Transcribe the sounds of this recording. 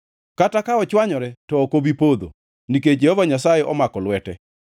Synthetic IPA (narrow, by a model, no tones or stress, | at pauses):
katakaɔt͡ʃwaɲɔɾɛtɔːkobipod̪o̰ | nik̬ed͡ʒehɔvaɲasajeʔɔmakɔlwɛtɛ